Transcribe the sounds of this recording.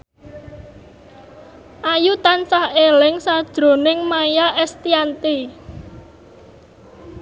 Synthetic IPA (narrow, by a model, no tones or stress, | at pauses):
ʔajut̪ansahelɪŋsad̥ʒ̥ɾo̤nɪŋmajaʔɛst̪iant̪i